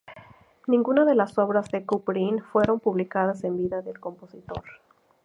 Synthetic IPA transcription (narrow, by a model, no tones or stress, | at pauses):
nĩŋɡunaðe̞laso̞βɾazðe̞kupɾinfwe̞ɾo̞mpuβlikaðase̞mbiðaðe̞lko̞mpo̞sit̪o̞ɾ